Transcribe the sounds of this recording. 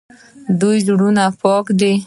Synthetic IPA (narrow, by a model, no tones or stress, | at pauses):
d̪ujd͡ʒɽunapɔkd̪i